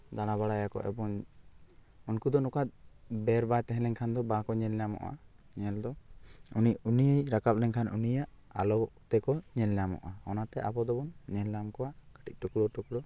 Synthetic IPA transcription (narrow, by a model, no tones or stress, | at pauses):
d̪aɽ̃aβaɽajakɔ̰ʔɛ̰bɔŋ | unkud̪ɔnɔkat̪̚ˀbɛɾbajt̪ɛɦɛ̃lɛŋkʰand̪ɔbakɔɲɛlɛjamɔ̰ʔa̰ | ɲɛld̪ɔuniunijəjɾakap̚lɛŋkʰanunijaʔ | a̰lɔt̪ɛkɔɲɛlɛjamɔ̰ʔaɔnat̪ɛʔa̰bɔd̪ɔbɔnɲɛlamkɔwaʔkə̥ʈic̪̚ʈukɽɔʈukɽɔ